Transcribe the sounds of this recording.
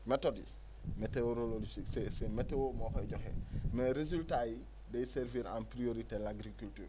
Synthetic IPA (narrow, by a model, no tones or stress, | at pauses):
mɛtodḭ | meteoɾololsiksɛsɛmetewomɔːkɔɛɟɔxɛ̰mɛɾezultaji | dejiseɾviɾa̰npɾioɾitelaɡɾikultyːɾ